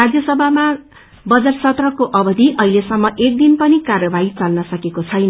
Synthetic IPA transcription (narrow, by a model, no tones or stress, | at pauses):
ad͡zjʌsʌbʱama | bʌd͡zʌrsʌt̪rʌkoʔʌbʌd̪ʱiʔʌɦilesʌmːʌʔek̚d̪inpʌnikarjʌbait͡salnʌsʌkekot͡sʰʌjnʌ